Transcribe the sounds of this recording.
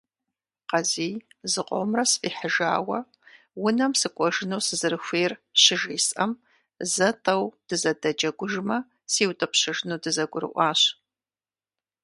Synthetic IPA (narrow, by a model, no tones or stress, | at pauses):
qɐziːjzɨqʷʼɔ̰mrɐsɨ̥fʼiːħəʒa̰ːwɐ | wʊnɐmsɨkʷʼɔʒɪnuːsɨzɨɾɨxʷeːrɕɪʒiːsɐm | zɐtʼɐwd̥ɨzɐdɐd͡ʒɐɡʷʊʒmɐ | siːwtʼɨpɕɐʒnuːdɨzɐɡʷʊɾɨ̰ʔʷɑːɕ